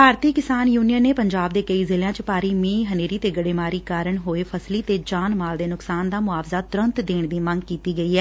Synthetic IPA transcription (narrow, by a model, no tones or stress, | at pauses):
bʱaːɾt̪iːkɪsaːnjuːnijənːeːpəɲd͡ʒaːb̚d̪eːkəiːzɪljãːt͡ʃəpaːɾiːmĩːɦəneːɾiːt̪eːɡəɽeːmaːɾiːkaːɾəɳɦoːeːpʰəsliːt̪eːd͡ʒaːnmaːld̪eːnʊksaːnd̪aːmʊaːʋzaːt̪ʊɾənt̪d̪eːɳ̃d̪iːmə̃ŋɡ̚kiːt̪iːɡəiːɦɛː